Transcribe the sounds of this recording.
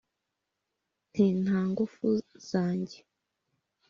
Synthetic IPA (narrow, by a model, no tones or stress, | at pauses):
n̥iːnhaːŋɡufuz̥aːɲɟe